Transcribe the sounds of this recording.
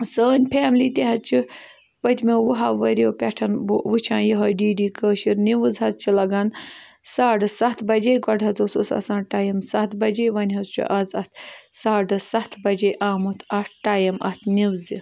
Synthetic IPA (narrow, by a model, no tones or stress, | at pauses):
səːnʲpʰeːmliːt̪eɦɐt͡ʃʰi | pɐt̪ʲmeʋuɦaʋɐɾoːpʲɛʈʰɐnbʋut͡ʃʰãːjiɦɐːɖiːɖiːkəːʃiɾniʋɨzɦɐzt͡ʃʰilɐɡɐnsaːɖɨsɐt̪ʰbɐd͡ʒejɡɐɖɦɐzosusɐ̰sãːnʈaːjɐmsɐt̪ʰbɐd͡ʒeːʋɐnʲɦɐzt͡ʃʰṵʔɐzɐt̪̚ʰsaːɖɨsɐt̪ʰbɐd͡ʒejʔaːmut̪ʰɐʈʰʈaːjɐmɐ̰t̪ʰniwzi